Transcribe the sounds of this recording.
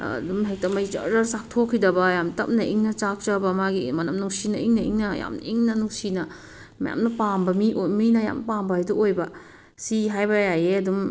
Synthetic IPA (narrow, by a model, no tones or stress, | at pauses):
dumɦek̚tɐmɐɡit͡ʃɐ̰ɾɐsak̚tʰokʰːidɐbɐjamtɐp̚nɐʔiŋnɐt͡ʃak̚t͡ʃɐbɐmaɡimɐnɐmnuŋsinɐiŋnɐḭŋnɐja̰mn̰iŋnɐnuŋsinɐ | mɐ̰ja̰mnɐpambɐmiʔominɐja̰mpambɐajduojbɐ | siɦajbɐjajeɐdum